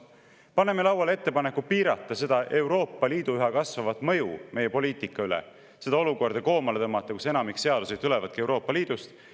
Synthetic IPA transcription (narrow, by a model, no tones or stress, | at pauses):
pɑnemelɑwɑle̞t̪ːe̞pɑne̞kːupiːɾɑt̪ˑːɑse̞d̪̥ɑʔe̞wɾo̞ːpˑːɑliːd̪̥uyɦɑkɑsvɑvɑt̪ːˑmɤ̞jṵme̞jepo̞liːt̪ˑikːˑɑylḛ | se̞d̪ɑo̞luko̞rd̪̥ɑko̞ːmɑlet̪ɤmːɑt̪ˑːɑkuse̞nɑmikse̞ɑd̪use̞d̪ylevɑd̪̥kie̞wɾo̞ːpːˑɑliːd̪̥ust̪